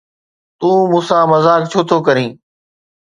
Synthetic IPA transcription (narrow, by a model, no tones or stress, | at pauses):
t̪ũːmʊ̃ːsãːməzaːk̚t͡ɕʰoːt̪ʰoːkəɾĩː